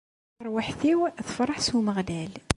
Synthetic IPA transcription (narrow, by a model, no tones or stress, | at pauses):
ɾˤwaħθiwθfɾˤɑħsuməɣd̪æl